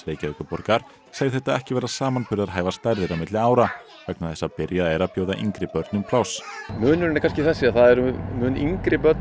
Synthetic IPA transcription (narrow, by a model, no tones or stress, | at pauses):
veːjcaɛːkʏpɔɾkaɾ̥ | saɣðɪθɛt̪ːaðɛhcɪvɛːɾasaːmanpʰʏɾðaðɦaːjvast̪ajɾðɪɾamɪt̪lɪaːwɾa | fɛk̚naθɛsːapɪɾjaðɛɾapjoːwðaʔḭŋkɾɪpœɾt̪nʏmpʰlawsmʏːnʏɾnɾkʰanscɪθɛsːɪaθaðɛɾʏmʏːniŋkɾɪpœt̪